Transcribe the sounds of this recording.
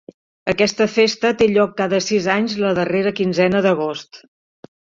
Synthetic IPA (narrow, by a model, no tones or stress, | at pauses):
əkɛst̪əfest̪ət̪eʎɔkːaðəsizaɲzləðəreɾəkinzɛnəðəɣ̞ost̪